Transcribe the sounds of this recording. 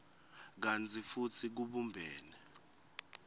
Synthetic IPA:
k̬ant͡sʰʼifut͡sʰik̬uɓumbʱɛːnɛ

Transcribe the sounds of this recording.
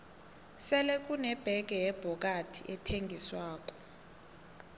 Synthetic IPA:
sɛlɛk̬ʼunɛb̥ʱɛk̬ɛjɛb̥ʱɔk̬atʰḭʔɛtʰeŋɡʱiswaːk̬ʼɔ̥

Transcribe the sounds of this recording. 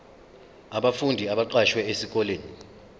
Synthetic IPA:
aɓafundʱiaɓaǃaʃwɛesik̬ʼɔleːni

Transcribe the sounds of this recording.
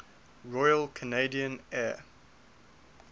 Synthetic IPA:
ɹɔjəlkʰəneɪdiə̃nɛː

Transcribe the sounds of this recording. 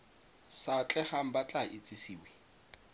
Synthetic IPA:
sat͡ɬʼɛχam̩bat͡ɬʼaʔɪt͡sʼɪsiːwɛ

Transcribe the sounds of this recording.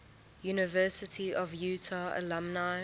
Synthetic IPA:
juːnɪvɜːˑsɪtʰiʔɔvjuːtʰaə̰lãmna

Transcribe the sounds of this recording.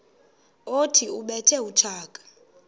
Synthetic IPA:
otʰiuɓɛtʰɛut͡ʃʰaːkʼḁ

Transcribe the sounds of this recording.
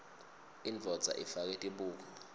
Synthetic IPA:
ind͡ɮʱɔd̥zd͡z̥ʱa̰ʔifak̬ɛtʼiɓuːk̬ɔ

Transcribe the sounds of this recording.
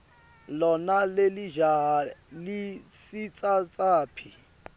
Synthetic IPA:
lɔnaleliʒaɦalisit͡sʼat͡sʼaːpʰi

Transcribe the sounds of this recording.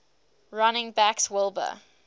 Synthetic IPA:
ɹanɪ̃ŋbækswɪlˠbə̰

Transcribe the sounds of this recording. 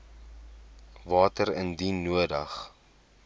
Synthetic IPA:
vɑːtəɾəndinuədɐ̰χ

